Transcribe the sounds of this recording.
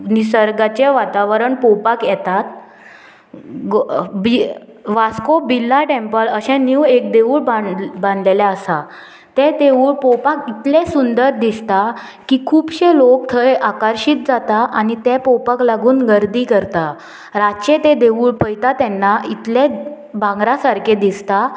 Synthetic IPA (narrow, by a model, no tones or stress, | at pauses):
nisəɾɡat͡ɕeʋat̪aʋəɾəɳpɔpakjɛt̪at̪ | ɡobi | ʋaskobilːaʈẽmpələɕɛ̃nuwek̚d̪eʋuːɭbabãnd̪lelaəsa | t̪ɛt̪euːɭpɔwpakit̪lẽsund̪əɾd̪ist̪a | kiːkʰuːbɕẽlok̚t̪ʰəjʔakəɾɕiːt̪̚d͡zat̪aʔanit̪ɛpɔwpaklaɡuːnɡəɾd̪iːkəɾt̪a | ɾat͡ɕet̪ed̪eʋuːɭpəjt̪at̪ɛnːait̪le | bãŋɡɾasaɾked̪ist̪a